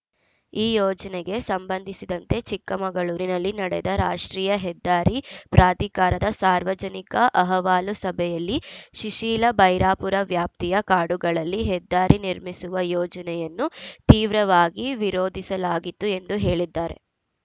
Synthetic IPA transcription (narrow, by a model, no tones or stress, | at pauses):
iːjɔːd͡ʒɐnɛɡe̞sɐmbɐnd̪ʱisid̪ɐnt̪e̞t͡ʃikːɐmɐɡɐɭuːɾinɐlːinɐɽɛ̰d̪ɐɾaːʂʈɾiːjɐɦɛd̪ːaːɾipɾʔaːd̪ikaːɾɐd̪ɐsaːɾʋɐd͡ʒɐnikɐʔɐɦɐʋaːlusɐbʱɛjɐlːiʃiʂiːlɐbɐjɾaːpuɾɐʋjaːp̚t̪ijɐkaːɽuɡɐɭɐlːiɦɛd̪ːaːɾʔiniɾmisuʋɐjɔːd͡ʒɐnɛjɐnːut̪iːʋɾɐʋaːɡiʋiɾoːd̪ʱisɐlaːɡit̪ːue̞nd̪uɦe̞ːɭid̪ːaːɾe̞̰